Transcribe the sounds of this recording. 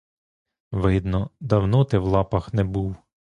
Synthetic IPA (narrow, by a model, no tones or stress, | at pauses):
ʋɪd̪nɔd̪ɐwnɔt̪ɪwlˠɑpɐxnɛbuw